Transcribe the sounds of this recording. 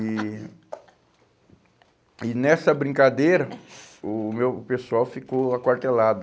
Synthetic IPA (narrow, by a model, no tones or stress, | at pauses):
ɪ | ɪnɛsɐbɾĩkad̪ejɾɐʊmewpesuawfikoakwaɾt̪elad̪ʊ